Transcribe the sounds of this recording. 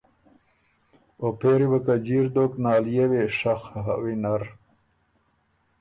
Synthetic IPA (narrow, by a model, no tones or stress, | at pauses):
opeɾibakad͡ʑiɾd̪oknɑːljeweʂaxɦa̰winaɾ